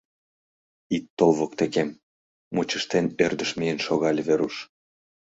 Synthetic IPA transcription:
it̪ːolˠβokt̪ekemː | ut͡ɕəʃt̪enørd̪ə̆ʃmijənʃoɣɑlʲβeɾuʃ

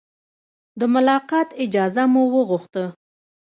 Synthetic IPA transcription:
d̪əmʊlɑqɑt̪ɪd͡ʒɑzamuwəɣuxt̪ə

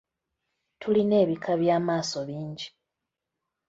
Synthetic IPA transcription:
tʰuline̞ːβikʰaβjaːmaːso̞βiːɲɟi

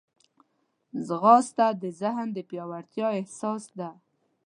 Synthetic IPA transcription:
zɣɑst̪ad̪əzɪɦnd̪əpjɑwaɾt̪jɑɪhsɑsd̪a

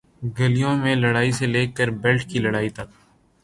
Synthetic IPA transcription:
ɡəlijõmẽləɽaːiseleːkːəɾbɛlʈʰkiləɽaːit̪ɐk

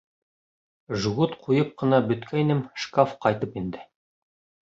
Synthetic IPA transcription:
ʒuʁut̪qʰujɤp̚qɤ̆nɑbɵ̆t̪kʰæinɘmʃkafqɑjt̪ɤpind̪ɘ

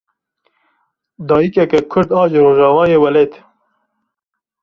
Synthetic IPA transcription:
d̪ɑːjikɛkɛkʰʊɾd̪ɑːʒɾoːʒɑːvɑːjeːwɛleːt̪

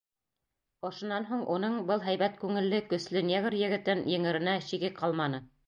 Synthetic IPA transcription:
ŏʃŏnːɑnɦuɴunɤɴbɤlˠɦæjbæt̪kʉŋɘ̆lːɘkɵ̆slɵneɣɾjɘ̆ɡɘ̆t̪ɘnjɘ̆ŋɘ̆ɾɘ̆næɕiɡɘqɑlˠmɑnɤ

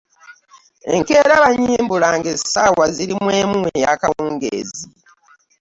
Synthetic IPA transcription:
eŋke̞ːɾaβaɲiːmbulaŋɡesawaziɾimwe̞ːmuejakawuːŋɡḛːzi

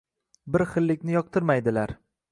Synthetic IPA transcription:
bɪɾχɨlːɪkʲnɪjɒq̚t̪ʰɪɾmajd̪ɪlaɾ

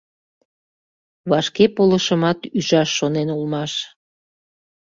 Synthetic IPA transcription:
βɑʃkepoləʃəmɑt̪yʒɑʃːonenulmɑʃ

